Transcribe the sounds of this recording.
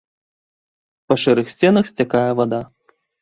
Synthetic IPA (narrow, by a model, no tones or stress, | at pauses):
pɐʂɛɾɨxsʲt͡sʲɛnɐxsʲt͡sʲakajɛvad̪a